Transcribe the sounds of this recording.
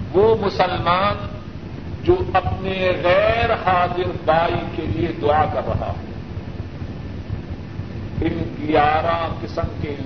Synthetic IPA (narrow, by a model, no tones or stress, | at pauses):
ʋoːmʊsəlmaːn | d͡ʒoːɐpneɣɛːɾhaːzɪɾbaːikelied̪ʊaːkɐɾːɐ̰ɦa̰ːɦɛ̰ː | ɪnɡijaːɾãkɪsəmke